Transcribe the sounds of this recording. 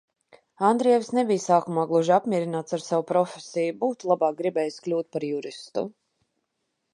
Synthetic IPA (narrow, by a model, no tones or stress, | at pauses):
and̪ɾiɛvisnebijsaːkumaːɡlˠuʒapmʲiɛɾinaːt̪saɾsawupɾɔfʲesijubuːt̪ulˠabaːk̚ɡɾibɛːjisklʲuːt̪̚paɾjuɾist̪ṵ